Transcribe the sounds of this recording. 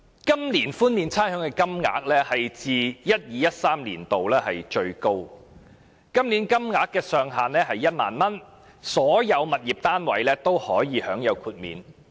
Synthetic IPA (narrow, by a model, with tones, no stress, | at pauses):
kɐ˥mliː˨˩nfuː˥nmiː˨˧nt͡sʰaː˥nhœː˨˥ŋkɛː˧kɐ˥mŋa̰ː˨˥k̚lɛː˥hɐ˨jt͡siː˨jɐ˥t̚jiː˨˧jɐ˥t̚saː˥mlḭː˨˩nt̪o˨wlɛː˥ɦɐ˨jt͡ʃɵ˧ɥko˥w | kɐ˥mliː˨˥nkɐ˥mŋaː˨˥kːɛː˧sœː˨ŋɦaː˨nɛː˥ɦɐ˨jːɐ˥t̚ma̰ː˨nmɐ˥n | sɔː˨˥jɐ˨˧wmɐ˨t̚jiː˨p̚t̪aː˥nwɐ̰˨˥jlɛː˥t̪o˥whɔː˨˥jiː˨˧hœː˨˥ŋjɐ˨˧wkʰuː˧t̚mḭː˨˧n